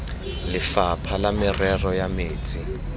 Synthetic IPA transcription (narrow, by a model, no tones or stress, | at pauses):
lɪfapʰalamɪrɛrɔjameːt͡sʼi